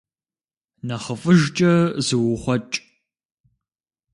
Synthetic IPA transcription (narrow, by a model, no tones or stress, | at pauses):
nɐχəfʼɨʒt͡ʃʼɐzɨwʊχʷɔt͡ʃʼ